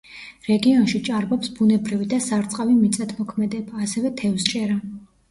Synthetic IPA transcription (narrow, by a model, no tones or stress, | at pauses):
ɾɛɡiɔnʃit͡ʃʼaɾbɔpsbunɛbɾivid̪asaɾt̪sʼqʼavimit̪sʼat̪ʰmɔkʰmɛd̪ɛbaːsɛvɛt̪ʰɛfst͡ʃʼɛɾa